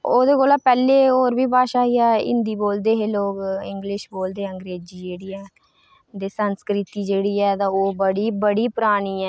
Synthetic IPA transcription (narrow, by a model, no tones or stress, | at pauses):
oːd̪eːkoːlaːpɛːleːoːɾbiːbaːʃaːɦiːɛːɪ̰̃nd̪iːboːld̪eːɦeːloːɡɪ̰ŋɡlɪʃboːld̪eːəŋɡɾeːd͡ʒiːd͡ʒeːɽiːɛː | d̪eːsənskɾɪt̪iːd͡ʒeːɽiːɛːt̪ãːoːbəɽiːbəɽiːpʊɾaːɳ̃iːɛː